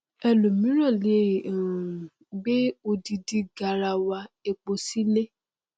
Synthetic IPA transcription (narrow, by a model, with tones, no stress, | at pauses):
ɛ˧lo˨mĩ˨˦ɾ̃ɔ̃˦˨le˨˦˨ | ɡ͡be˦o˧di˧di˧ɡa˧ɾa˧wa˧e˧k͡po˧si˦ne˦